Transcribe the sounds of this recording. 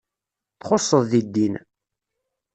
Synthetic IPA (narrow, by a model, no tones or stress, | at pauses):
θχosˤːəðˤðid̪ːin